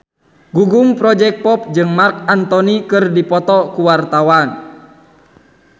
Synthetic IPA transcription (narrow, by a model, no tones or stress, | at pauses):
ɡuɡuŋpɾɔd͡ʒɛk̚pɔp̚d͡ʒɨŋmark̚ant̪ɔnikɨrdipɔt̪ɔkuwart̪awan